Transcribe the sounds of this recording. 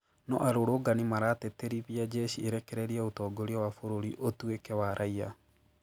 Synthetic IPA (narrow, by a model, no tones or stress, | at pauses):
nɔʔaɾoɾoɡanimaɾatɛteɾiβiad͡ʒɛʃieɾɛkɛɾɛɾiaotɔːɡoɾiawafoɾoɾiʔotuekɛwaɾʔaia